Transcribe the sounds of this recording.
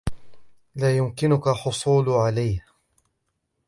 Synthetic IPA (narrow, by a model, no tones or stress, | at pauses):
laːjʊmkɪnʊkaħʊsˤuːlʕalajh